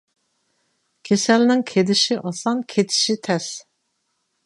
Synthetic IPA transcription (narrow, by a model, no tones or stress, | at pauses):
kʲʰesɛlnɪŋkʲʰed̪ɪʃiʔɑsɑnkʲʰet̪ʰɪ̥ʃit̪ʰɛs